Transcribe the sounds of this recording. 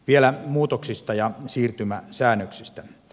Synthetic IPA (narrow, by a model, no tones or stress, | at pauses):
ʋielæmuːt̪oksist̪ɑjɑsiːrt̪ymæsæːnːøksist̪æ